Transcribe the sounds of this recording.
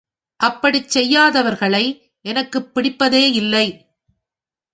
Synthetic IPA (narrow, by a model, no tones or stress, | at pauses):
ʔɐpːɐɽit͡ʃsɛjːaːðɐʋɐɾɣɐɭɐɪ | ʔɛnɐkːɯpːɪɽɪpːɐðeːɪlːɐɪ